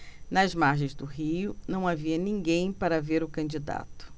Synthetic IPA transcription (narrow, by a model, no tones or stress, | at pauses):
nɐzmaɾʒẽj̃zd̪ʊɦijʊnɐ̃w̃aviɐnĩɡẽj̃paɾɐveɾʊkɐ̃nd͡ʒid̪a̰t̪ʊ̥